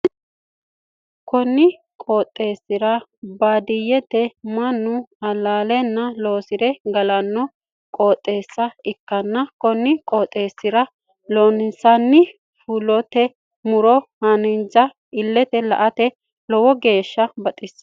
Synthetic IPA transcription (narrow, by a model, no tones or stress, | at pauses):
kɔnːɪ | kʼoːt̪ʼːe̞ːsːɪɾɐbaːd̪ɪjːɛt̪ɛmɐnːʊɐlaːlɛnːɐloːsɪɾɛɡɐlɐnːɔ | kʼoːt̪ʼːe̞ːsːɐɪkːɐnːɐkɔnːɪkʼoːt̪ʼːe̞ːsːɪɾɐ | lonɪsɐnːɪ | fulɔt̪ɛ | mʊɾɔhɐnɪnd͡ʒɐ | ɪlːɛt̪ɛlɐ̰ʔɐt̪ɛ | lɔwɔɡe̞ːʃːɐbɐt̪ʼɪs